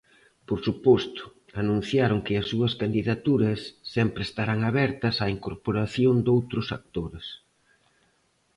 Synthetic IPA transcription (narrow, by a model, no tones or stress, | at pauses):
poɾsupɔst̪ʊ̥ | anũn̟θjaɾʊŋkɪɐsːuɐskand̪iðat̪uɾɐsːɛmpɾɪest̪aɾaŋaβɛɾt̪ɐsaiŋkoɾpoɾaθjond̪owt̪ɾʊsak̚t̪oɾɪs